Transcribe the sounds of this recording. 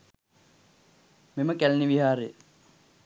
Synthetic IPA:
meməkælniʋiɦaːɾejə

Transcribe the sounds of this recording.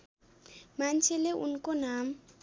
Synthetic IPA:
mant͡ʃʰeleʔṵnkonam

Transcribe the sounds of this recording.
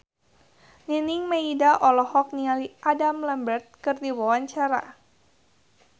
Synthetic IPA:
niniŋmaidaʔɔlɔhɔk̚nialiʔadamlambərt̪̚kɨrdiwawaɲt͡ʃaɾa̰

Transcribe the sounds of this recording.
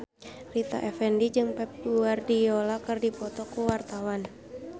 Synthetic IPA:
rit̪a̰ʔɛfɛndid͡ʒɨŋpɛp̚luardijolakɨrdipɔt̪ɔkuwart̪awan

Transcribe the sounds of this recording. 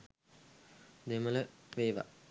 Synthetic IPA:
d̪emələʋeːʋa̰

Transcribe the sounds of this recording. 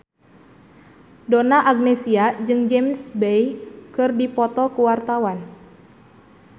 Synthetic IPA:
donaʔaɡ̚nɛsiad͡ʒɨŋd͡ʒɛmsbejkɨrdipɔt̪ɔkuwart̪awan

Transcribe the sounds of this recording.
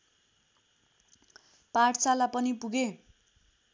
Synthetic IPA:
paʈt͡salapʌnipuɡe

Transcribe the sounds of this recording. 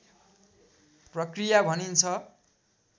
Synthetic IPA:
prʌkrijabʱʌnint͡sʰʌ

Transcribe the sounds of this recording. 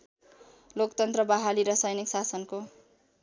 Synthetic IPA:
lokt̪ʌnt̪rʌbaɦaliɾʌsʌjniksasʌnko

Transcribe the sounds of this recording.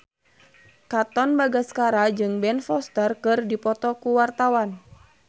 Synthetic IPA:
kat̪ɔnbaɡaskaɾad͡ʒɨŋbɛnfɔst̪ərkɨrdipɔt̪ɔkuwart̪awan

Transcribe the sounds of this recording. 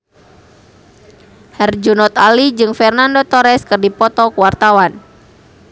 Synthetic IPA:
hɛrd͡ʒunɔt̪alid͡ʒɨŋfɛrnandot̪ɔɾɛskɨrdipɔt̪ɔkəwart̪awan

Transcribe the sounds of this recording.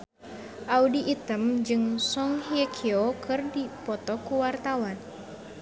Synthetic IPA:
ʔaudiʔit̪əmd͡ʒɨŋsɔŋhiɛkʰiokʰɨrdipɔt̪ɔkuwart̪awan

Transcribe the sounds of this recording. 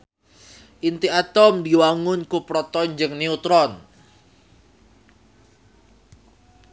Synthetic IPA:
ʔint̪iat̪ɔmdiwaŋʊnkupɾɔt̪ɔnd͡ʒəŋneut̪ɾɔn

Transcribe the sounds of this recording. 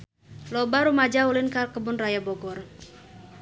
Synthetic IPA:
lɔbaɾumad͡ʒaulɪnkarkəbʊnrajabɔɡɔr

